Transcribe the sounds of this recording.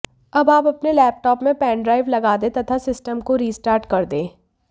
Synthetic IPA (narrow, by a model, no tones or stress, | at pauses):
ɐbaːpɐpnelɛːp̚ʈɔːpmẽpɛ̃ːɳɖɾaːɪʋlɐɡaːd̪et̪ɐt̪ʰasɪsʈəmkoɾiːsʈaːɾʈkɐɾd̪ẽː